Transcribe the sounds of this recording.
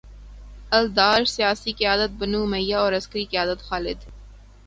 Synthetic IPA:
ɐld̪aːɾsijaːsiːkijaːd̪ət̪̚bənuːmɐjːaoːɾɐskɾiːkijaːd̪ɐt̪xaːlɪ̰d̪

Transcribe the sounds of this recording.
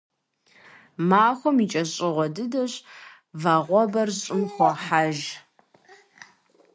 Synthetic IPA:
maːxʷɔmit͡ʃʼɐɕʼɪʁʷɔdɨdɐɕ | vaːʁʷɔbɐrɕʼɪmxʷɔħaʒ

